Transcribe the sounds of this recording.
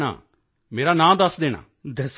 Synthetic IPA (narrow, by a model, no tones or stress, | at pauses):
ɽa̰ː | meːɾaːnãːd̪əsd̪eːɽ̃a̰ː | d̪əs